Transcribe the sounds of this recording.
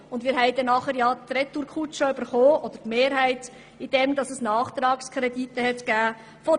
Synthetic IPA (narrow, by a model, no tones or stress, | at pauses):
ʊndmiːɾɦɛɪdɛnɑχəɾjɑːt̪ɾɛt̪uɾkʰutʃoyb̥əɾχoːɔd̥̪əɾtmeːɾɦæɪt | id̥ɛmdɑsɛsnɑːχt̪ɾɑːkskʰɾɛditːəɦɛtɡ̥æː | fɔ